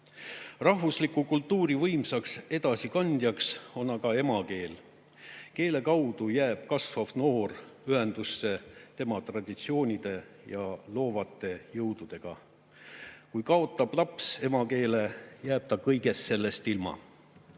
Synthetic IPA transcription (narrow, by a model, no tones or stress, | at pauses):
rɑɦvuslikːukult̪ːuːɾivɤjmsɑkse̞d̪̥ɑsikɑnʲd̪̥ʲjɑkso̞nɑɡɑe̞mɑke̞ːl | ke̞ːle̞kɑwd̪̥ujæːb̥̚kɑsfofno̞ːryɦe̞nd̪̥usːe̞t̪e̞mɑt̪rɑd̪̥ʲit̪sio̞ːnʲid̪̥e̞jɑlo̞ːvɑt̪ːˑe̞jɤwd̪̥ud̪̥e̞ɡ̥ɑ̰ | kujkɑo̞t̪ˑːɑb̥lɑpse̞mɑke̞ːle̞jæːb̥̚t̪ɑkɤjɡe̞st̪se̞lːe̞st̪ilmɑ̰